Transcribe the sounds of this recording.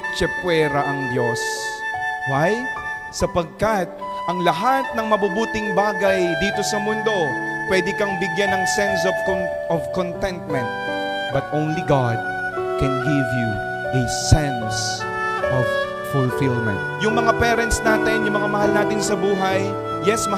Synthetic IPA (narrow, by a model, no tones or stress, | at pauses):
t͡ʃɐpwɛːɾɐʔɐŋd̪jos | ɹajt̪̚ | sɐpɐɡ̚kɐt̪̚ | ʔɐŋlɐɦat̪̚nɐŋmɐbubuːt̪ɪŋbaːɡɐjd̪iːt̪o̞sɐmʊnd̪o̞pwɛd̪ɪkɐŋbɪɡjanɐŋsɛnsɔ | ɔvkont̪ɛnt̪̚mɛ̃nt̪̚ | bɐt̪ʔõwnliɡɑd̪̚ | kɛ̃nɡɪvju | ʔɛsɛns | ʔɔv | fʊlfilmɛ̰̃nt̪̚jʊŋmɐŋapɛːɾɛnt̪snaːt̪ɪnjʊŋmɐŋamɐhalnaːt̪ɪnsɐbuːɦɐj | jɛsm